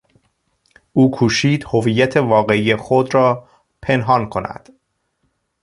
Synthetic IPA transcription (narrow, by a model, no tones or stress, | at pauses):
ʔuːkʰuːʃiːd̪hoviːjːæt̪ʰe̞vɒːɣe̞iːjexod̪ɾɒː | pʰe̞nɦɒːnkʰo̞næ̰d̪̥